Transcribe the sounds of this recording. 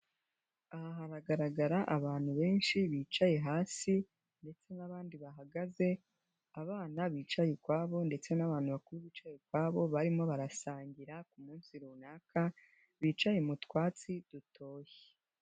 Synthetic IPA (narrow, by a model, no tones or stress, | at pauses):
ahaɦaɾaɡaɾaɡaɾaʔaβaːn̥huβe̞ːnʃiβiːt͡ʃaje̞ɦaːsi | nde̞t͡se̞naβaːndiβaɦaɡaze̞ | aβaːnaβiːt͡ʃajekwaːβo̞nde̞t͡se̞naβaːn̥uβakuɾiβiːt͡ʃajekwaːβo̞βaɾimo̞βaɾasaːɲɟiɾakumuːnsiɾuːnaːka | βiːt͡ʃajemutkwaːt͡sid̥utʰo̞ːje